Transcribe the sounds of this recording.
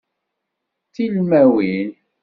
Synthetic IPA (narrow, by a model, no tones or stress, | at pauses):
θilmæwin